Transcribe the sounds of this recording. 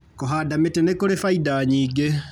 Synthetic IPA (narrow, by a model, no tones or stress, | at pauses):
koɦaːdametenekoɾefaidaɲiːɡe